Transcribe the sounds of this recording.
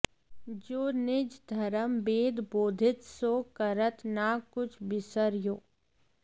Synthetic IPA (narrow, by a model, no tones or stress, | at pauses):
d͡ʒoːnɪd͡ʒd̪ʱɐɾəmbeːd̪boːd̪ʱɪt̪soːkəɾət̪nakʊt͡ʃʰbɪsəɾjoː